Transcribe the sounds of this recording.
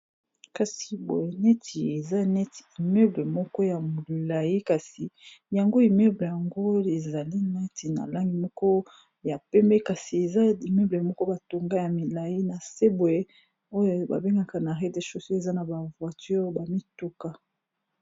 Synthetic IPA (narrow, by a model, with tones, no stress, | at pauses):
ka˨si˨bo̰˨je˨nɛ˦tʰi˨e˨za˦nɛ˦ti̥˨i˨me˦ble˨mɔ˦kɔ˦ja˨mo˨la˨ji˦ka˨si˨ja˨ŋɡo˦i˨me˦ble˨ja˨ŋɡo˦e˨za˨li˦nɛ˦ti˨na̰˨la˦ŋɡi˨mɔ˦kɔ˦ | ja˨pɛ˦mbɛ˦ka˨si˨e˨za˦i˨mø˦ble˨mɔ˦kɔ˦ba˨to˨ŋɡa˦ja˨mi˨la˨i˦na˨se˦bo˨e˦ | o˦jo˦˨ba̰˨be˦ŋɡa˨ka˨na˨ʁe˦de˦ʃo˦so˦e˨za˦na˨ba˨vwa˨ty˦ʁba˨mi˦tu˦ka˦